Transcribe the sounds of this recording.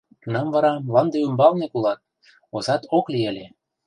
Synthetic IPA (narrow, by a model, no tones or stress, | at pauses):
kunɑmvɑɾɑmlɑnd̪eymbɑlnekulɑt̪̚ | ozɑt̪oklielʲe